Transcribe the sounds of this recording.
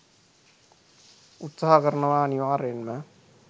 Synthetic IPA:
ut̪saɦakɐɾnɐʋaːniʋaːɾenmɐ

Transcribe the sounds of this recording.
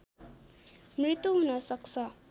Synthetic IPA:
mɾit̪ːuɦunʌsʌk̚sʌ

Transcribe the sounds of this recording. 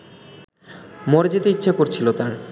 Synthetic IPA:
moɾed͡ʑet̪eitːɕʰakoɾt͡ɕʰilot̪aɾ

